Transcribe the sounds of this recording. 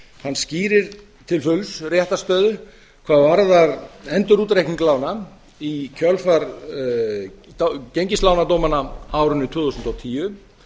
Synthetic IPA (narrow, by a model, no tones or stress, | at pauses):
hanːsciːɾɪɾ | t̪ʰɪlfʏlsrjɛht̪ast̪œːðʏ | kʰvaːðvaɾðaɾɛnt̪ʏɾuːt̪ɾejhkniŋklaːwna | icʰœlfaɾ | cejɲcɪst̪laːwnat̪owmanaawɾʏnːʏt̪ʰvʏːθusnt̪ɔawt̪ʰiːjʏ